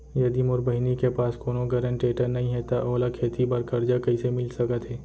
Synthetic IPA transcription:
jɐd̪imʊɾbəɦɪnikepaːskoːnoɡɐɾə̃ɳʈeːʈəɾnɐɦĩɦɛt̪aʔɔːlakʰeːt̪ʰibɐɾkɐɾd͡ʒakɐisemɪlsɐkət̪ɦɛː

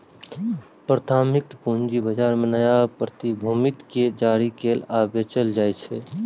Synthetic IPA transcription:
pɾət̪ʰaːmɪk̚t̪puːnd͡ʒibəd͡ʒaːɾmẽnəjapɾət̪ibʱuːmɪt̪ked͡ʒaːɾikeːlaːbet͡ʃəld͡ʒaːet͡ʃʰeː

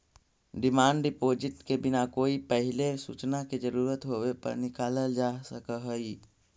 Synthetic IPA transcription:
ɖɪmaːɳɖɖɪpoːd͡ʒɪʈkebɪnakoːipɛɦɪlesṵːt͡ʃnaked͡ʒəɾuːɾət̪ɦoːwepɐ̰ɾnɪkaːləld͡ʒaːsəkəɦoi

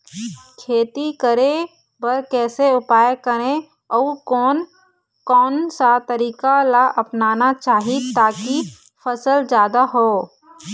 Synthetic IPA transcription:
kʰeːt̪ikəɾẽ | bəɾkɛːseʊpaːjkəɾẽ | ɔːkɔːn | kɔːnsat̪əɾiːkalaʔɐpnaːnat͡ʃaːɦit̪aːki | fʰəsəld͡ʒjaːd̪aɦoː

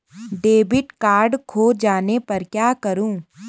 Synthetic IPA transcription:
ɖeːbɪʈkaːɾɖkʰoːd͡ʒaːnepɐɾkjaːkɐɾũː

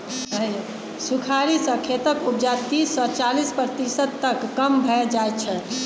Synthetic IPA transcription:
ɦə | sukʰaɾisə̃kʰet̪əkup̚d͡ʒat̪isːɔt͡ʃalispɾət̪isəd̪̚t̪əkːəmbʱɛd͡ʒajt͡ʃʰɛ

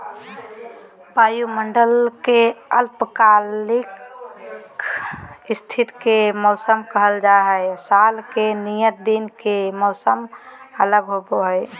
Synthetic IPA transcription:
bajuməɳɖəlkeəlpəkalik | ist̪ʰit̪kemɔʊsəmkəɦəld͡ʒaɦəɪsalkenijət̪̚d̪inkemɔʊsəmələɡɦoboɦəɪ

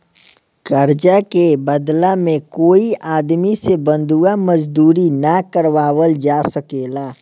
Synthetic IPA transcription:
kəɾd͡ʒakebəd̪lamẽkoːiʔaːd̪misebə̃nd̪ʱuaməd͡ʒd̪uːɾinakəɾʋaːwəld͡ʒaːsəkeːlaː

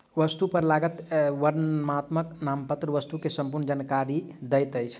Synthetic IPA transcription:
ʋəst̪upəɾlaɡət̪ʋəɾmat̪məknampət̪ɾəʋəst̪ukesəmpuɾnəd͡ʒənkaɾid̪əjt̪əjt͡ʃʰ

